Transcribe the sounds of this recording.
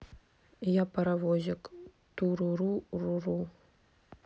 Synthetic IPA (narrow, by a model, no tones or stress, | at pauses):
japɐɾavɔzʲɐk | t̪uɾuɾururu